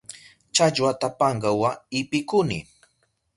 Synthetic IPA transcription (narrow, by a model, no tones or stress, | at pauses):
t͡ʃaʎwat̪apɑɴɢɑwaɪpɪkʊnɪ̰